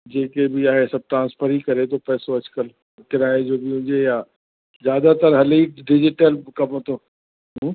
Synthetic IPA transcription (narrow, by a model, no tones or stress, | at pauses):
d͡ʒeːkebʱiaːɦesɐb̚ʈɾãːnspʰəɾɦikɐɾet̪ʰopɛːsoɐd͡ʒkəl | kɪɾaːed͡ʒoːbʱiɦʊ̃d͡ʒejaː | zjaːd̪at̪əɾɦɐliːʈɖɪd͡ʒɪʈəlkɐmõt̪ʰoː | ɦũː